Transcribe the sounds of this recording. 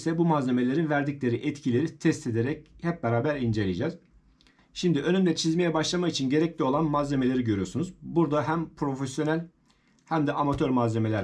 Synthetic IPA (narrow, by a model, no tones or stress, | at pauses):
sɛbumaze̞me̞lʲe̞ɾinvæɾd̪iclʲe̞ɾiʔɛt̪cʰilʲe̞ɾit̪ʰɛst̪ʰe̞d̪eɾɛchɛp̚beɾaːbæɾind͡ʒe̞lʲid͡ʒɛz̥ | ʃimd̪iʔø̞nymd̪ɛt͡ʃʰizmejɛbaʃlˠamait͡ʃʰinɟe̞ɾɛclʲio̞lˠanmaze̞me̞lʲe̞ɾiɟø̞ɾyjosunuzbuɾd̪aɦæmpʰɾo̞fesjo̞nælʲ | hæmd̪ɛʔamat̪ʰøɾmaze̞melʲæɾ